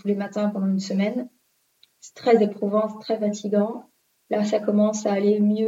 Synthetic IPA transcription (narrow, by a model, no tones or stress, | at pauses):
t̪ulemat̪ɛ̃pɑ̃d̪ɑ̃ynsəmɛn | sɛ̥t̪χɛzepχuvɑ̃st̪χɛfat̪iɡɑ̃ | lasakɔmɑ̃saːlemjø